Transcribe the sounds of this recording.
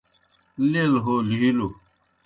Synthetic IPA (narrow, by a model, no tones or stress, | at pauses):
lelɦoliɦilo